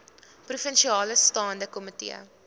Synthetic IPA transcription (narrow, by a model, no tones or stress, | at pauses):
prufənʃiɑːləstɑːndəkɔmətḭə̰